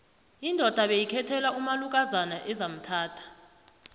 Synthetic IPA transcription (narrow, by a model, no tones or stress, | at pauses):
indʱɔd̥ʱaɓejikʰɛtʰɛlaumaluk̬ʼazanaʔɛzam̩tʰaːtʰḁ